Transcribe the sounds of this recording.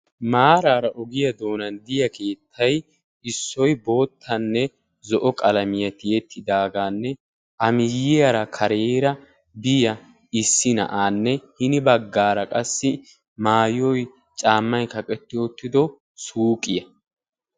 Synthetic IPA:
maːɾaːɾɐʔɔɡɪjɐd̪o̞ːnɐnd̪ɪjɐkʰe̞ːt̪ʰːɐj | ɪsːɔjbo̞ːt̪ʰːɐnːɛ | zɔʔɔkʼɐlɐmɪjɐt̪ɪjɛt̪ʰːɪd̪aːɡaːnːɛ | ʔɐmɪjɪjɐɾɐkʰɐɾeːɾɐ | bɪjɐ | ɪsːɪnɐ̰ʔaːnːɛhɪnɪbɐɡːaːɾɐkʼɐsːɪ | maːjɔj | t͡ʃʼaːmːɐjkɐkʼɛt̪ːɪoːt̪ːɪd̪ɔ | suːkʼːɪjɐ

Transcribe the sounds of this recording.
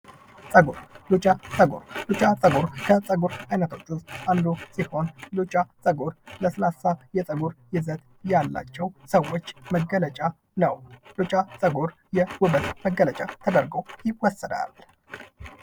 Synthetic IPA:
t͡sʼəɡoɾlut͡ʃʼat͡sʼəɡo̰ɾlut͡ʃʼat͡sʼəɡuɾkʰət͡sʼəɡuɾajnət̪ʰo̞t͡ʃːust̪and̪usiho̞nlut͡ʃʼat͡sʼəɡoɾləsɨlasajɛsʼəɡuɾjɪzət̪ | jalːa̰t͡ʃːɛwsəwːot͡ʃːməɡːələt͡ʃʼa | nəwlut͡ʃʼat͡sʼəɡoɾ | jɛwʊβət̪məɡːələt͡ʃʼat̪ʰəd̪əɾɡəwjɪwɔsːəd̪a̰l

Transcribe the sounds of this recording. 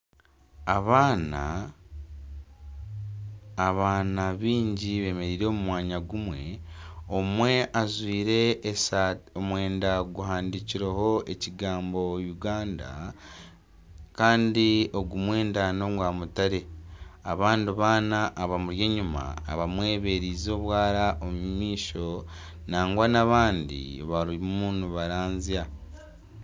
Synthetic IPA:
aβaːna̰ | βaːnaβiːɲɟiβe̞ːme̞ɾiːɾe̞ːmumwaːɲaɡumweo̞mwe̞ʔazwiːɾe̞ːsaomwe̞ːndaɡuɦaːndiciɾeho̞e̞ciɡaːmbo̞juɡaːnda̰ | kaːndio̞ɡumwe̞ːndano̞mwaːmutaɾe̞aβaːndiβaːnaʔːβamuɾje̞ɲuma̰ːβamwe̞ːβe̞ɾiːzo̞ːβwaːɾaʔomumiːʃo̞ | naːŋɡwanaβaːndḭβaɾiumuːnuβaɾaːnzia

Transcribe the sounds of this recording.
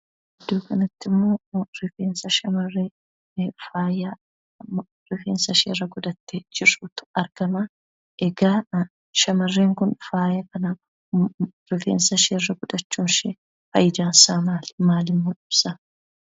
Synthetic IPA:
ʔɛd̪ːo̞ːkɐnɐt̪ːɪmːo̞ːɾɪfeːnsɐʃɐmɐrːeː | faːjɐ | ɾɪfeːnsɐʃeːrɐɡʊd̪ɐt̪ːed͡ʒɪruːt̪ʊ̥ɐɾɡ̥ɐmɐ | ʔɛɡaː | ʃɐmɐrːe̞ːŋkʊnfaːjɐkɐnɐ | ɾɪfḛːnsɐʃeːrːɐɡʊd̪ɐt͡ʃːuːnʃe | fɐ̰jɪd̪aːnsaːmaːlmaːlɪmːoːᶑɪb̥sɐ

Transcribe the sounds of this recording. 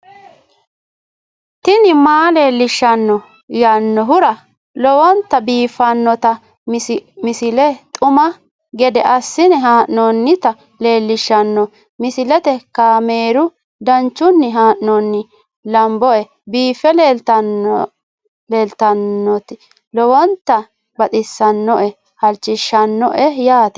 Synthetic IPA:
t̪ɪnɪmaːle̞ːlːɪʃːɐnːɔ | jɐnːɔɦʊɾɐ | lɔwɔnt̪ːɐbiːfɐnːɔt̪ɐ | mɪsɪlɛt̪ʼʊmɐ | ɡɛd̪ɛʔɐsːɪnɛɦaːʔnɔnːɪt̪ɐ | le̞ːlːɪʃɐnːɔ | mɪsɪlɛt̪ɛkaːme̞ːɾʊ | d̪ɐnt͡ʃːʊnːɪɦaːʔnɔnːɪ | lɐmbɔɛ | biːfːɛleːlt̪ɐ | le̞ːlt̪ɐnːɔt̪ɪ | lɔwɔnt̪ːɐ | bɐt̪ʼɪsːɐnːɔʔɛ | hɐlt͡ʃːɪʃːɐnːɔʔɛjaːt̪ɛ̥

